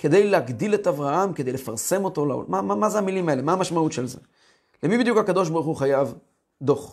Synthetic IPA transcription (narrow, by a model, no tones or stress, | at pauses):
ke̞d̪e̞jleaɡd̪iletavʁahamke̞d̪ejle̞faʁse̞mo̞to̞la̰o̰mamamazeamilimae̞le̞maːmaʃmaut̪ʃelzḛ | lemibid̪jukhakado̞ʃbaʁχuχajav | d̪o̞χ